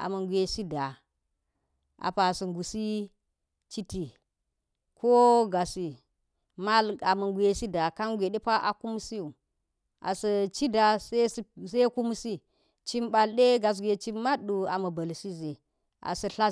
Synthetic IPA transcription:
a̰˨mɐ˨ɡʷe˨si˦da˨ | a̰˨pa˨su˨ŋɡu˨si˦ | t͡ʃi˦ti˨ | kʰo˦ɡa˨si˨ | ma˦la˨mɐ˨ŋɡʷe˨si˦da˨ka˦nɡʷe˨ɗe˦pa˦ʔa̰˨ku˦m˦si˦u˨ | ʔa̰˨sɐ˨t͡ʃi˦da˨se˦sse˦ku˦m˦si˦ | t͡ʃi˦mɓa˨lɗe˦ɡa˨s̬ɡʷe˨t͡ʃi˦mːa˦ɗu˨a˨mɐ˨bɐ˨lsi˦ze˨ | a̰˨sɐ˨ɬa˦

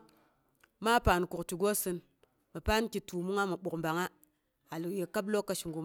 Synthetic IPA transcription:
ma˦pa˨n˨ku˨kti˨ɡo˦sɨ˦n | ma˨pa˦nki˨tu˨mu˦ŋa˦mu˨ɓu˨kmba˨ŋa˦ | a˨lje˨ka˦blo˦kːa˦ʃi˨ŋɡu˨m˨

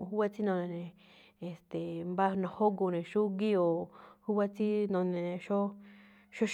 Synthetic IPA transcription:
ɦu˦βa˦t͡si˦nõ˧nẽ˧nẽ˨ | e˨st̪e˨mba˦˧nã˨ho˦ɡo˧nẽ˨ʃu˦ɡi˦o˨hu˦βa˦t͡si˦nõ˧nẽ˧ʃo˦ | ʃo˦ʃ

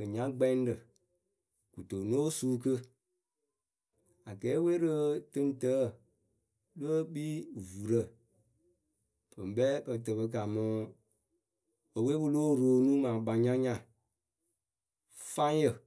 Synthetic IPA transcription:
ə˨ɲã˦ɡ͡bɛ˦n˦də˨ | ku˨to˨no˦suː˦kə˦ | a˨ɡɛ˨˦we˦ɾə˦tɨ˦n˦tə˨˦˨ | lə˦ɓi˦vu˨ɾə˨ | pə˨m˨bɛ˦bə˧tə˨bə˧k̬a˨mɔ̃˨˦ | ə˨we˦bɨ˧loː˦˨ɾo˨nũ˦mã˨ɓa˨ɲã˦ɲã˨ | fa˦jə˨

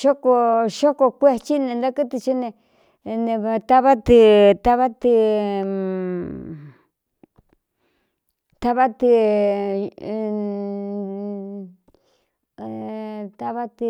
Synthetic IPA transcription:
ʃo˦ko˧ʃo˦ko˧kʷe˦t͡ʃi˦nẽ˧nd̪a˦kɨ˦t̪i˧t͡ʃi˦nẽ˧ | nẽ˧t̪a˦βa˦t̪i˧t̪a˦βa˦t̪i˧ | t̪a˦˧βa˦t̪i˧ | t̪a˧βa˦t̪i˧

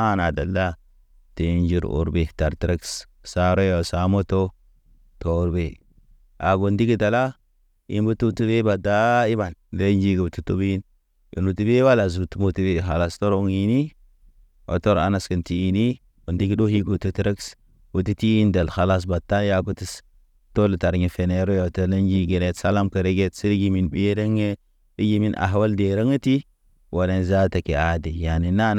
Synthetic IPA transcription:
a˦na˨da˨lːa˦ | ti˨˦nd͡ʒi˦˨ɾṵ˨ɾbe˨ta˨ɾtɾe˦ks | sa˦ɾo˦jo˨sa˨mo˦to˦ | to˨ɾbe˨ | ʔa˨ɡo˨ndi˦ɡi˦da˨la˦ | ḭ˦nbu˦tu˦tu˦be˦ba˨da˦i˦ba˨nde˦nd͡ʒi˦ɡi˨bu˨tu˨tu˦bi˦i˦n | ḭ˨nu˨ti˦be˦wa˦la˨zu˨tu˦mo˦ti˦be˨xa˨la˨sto˦ɾu˦ŋi˨ni˦ | o̰˨to˦ɾa̰˨na˦skə˨nti˨i˨ni˦ | u˨ndi˦ki˦do˦hi˦ɡu˨tu˨˦tɾə˦ks | wu˨ti˦ti˦i˦nda˨lxa˨la˦s̬ba˨tːa˦n˦ja˦ku˦ti˦s | to˦lə˨ta˨ɾɲe˨fe˨ne˨ɾo˦jo˨to˦le˦nd͡ʒi˦ɡe˨ne˨˦tsa˦la˦mkə˨ɾe˦ɡe˦tsi˦ɾi˦ɡi˦mi˨nbi˦də˦ŋe˦ | i˦ɡi˦mi˦nʔa̰˨ɦwa˦lde˨ɾə˦ŋə˦ti˦ | wo˨ne˨nza˦ta˨ke˨a˨de˨ja˨ni˨na˦n˦

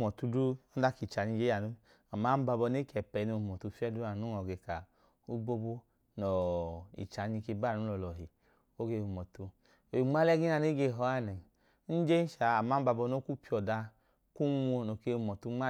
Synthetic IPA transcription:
mɔ˨tu˧du˦ɔ˦da˦ki˨t͡ʃa˨ni˧d͡ʒe˦a˨nu˦ | a˨ma˨˦ba˧bɔ˧ne˦kɛ˨pɛ˨˧no˧˨mɔ˨tu˧fi˦ɛ˦du˦a˨nu˨˦ɔ˨ɡe˧ka˨ | u˦bo˧bo˦ | nɔ˨ḭ˨t͡ʃa˨˦ni˧ke˧ba˦˨nu˨˦lɔ˧˨lɔ˨ɦi˨ | o˦ɡe˧u˨mɔ˨tu˧ | o˨i˨ŋ͡ma˦lɛ˦ɡi˦n˦a˧ne˦ɡe˧˨ɦɔ˧˦a˦˨nɛ˨ | n̩˦d͡ʒe˦n̩˦ʃa˨a˨ma˨˦ba˧bɔ˧no˦ku˦pi˦˧ɔ˨da˧ | ku˦mo˧no˨ke˧˨mɔ˨tu˧˦ŋ͡ma˦

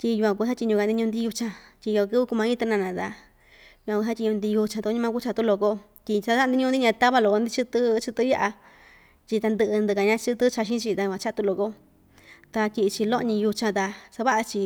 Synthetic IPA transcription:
tʲi˧ju˧kʷã˧k̬u˧θa˦tʲi˧ɲũ˧a˧nd̪i˧ɲũ˧nd̪i˧˦u˧t͡ʃã˧tʲi˧jo˧kɨ˦βɨ˦˧ku˧mã˧˦ĩ˦t̪a˧nã˧nã˨˧t̪a˧ | ju˧kʷã˨˧ku˧θa˦tʲi˧ɲũ˧nd̪i˧ju˧t͡ʃã˧t̪u˧˦ɲĩ˧mã˧ku˦t͡ʃa˧t̪u˦˧lo˧ko˧˦ | t̪ʲi˧sa˧˦a˦˧d̪i˦ɲũ˧d̪i˦ɲã˧t̪a˦βa˧lo˨˧ko˧nd̪i˦˧t͡ʃɨ˧t̪ɨ˧˦t͡ʃɨ˧t̪ɨ˧˦ja˧ʔa˧ | t͡ʃʲi˧t̪a˧nd̪ɨ˧ʔɨ˧nd̪ɨ˧ka˧ɲã˧t͡ʃɨ˦˧t̪ɨ˦t͡ʃa˧ʃ̬ĩ˦t͡ʃi˧t̪a˧ju˧kʷã˧t͡ʃa˦t̪u˧lo˧˨ko˦ | t̪a˧tʲi˧t͡ʃi˧lo˦ʔɲĩ˧ju˧t͡ʃã˧t̪a˧sa˧βa˦ʔa˧t͡ʃi˧

